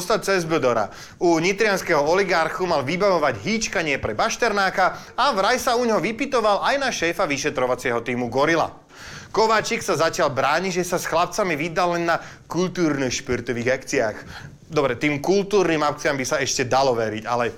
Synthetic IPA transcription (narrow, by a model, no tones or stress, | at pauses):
st̪at͡sɛzbəd̪ɔɾa̰ | uɲit̪ɾɪanskɛɦɔɔliɡaɾxumalʋibaʋɔʋaɟɦiːt͡ʃkaɲɪɛpɾɛbaʃt̪ɛɾnaːka | aʋɾajsauɲɦɔʋipit̪ɔʋalʔajnaʃɛːfaʋiʃɛt̪ɾɔʋat͡sɪɛɦɔt̪iːmuɡɔɾila̰ | kɔʋaːt͡ʃiksazacɪalbɾaːɲiʒɛsasxlap̚t͡samiʋid̪allɛnːa | kult̪uːɾnixʃpiɾt̪ɔʋiːɣakt͡sia̰ːx | d̪ɔbɾɛt̪iːmkult̪uːɾniːmap̚t͡siambisaɛʃcɛd̪alɔʋɛɾiɟa̰lɛ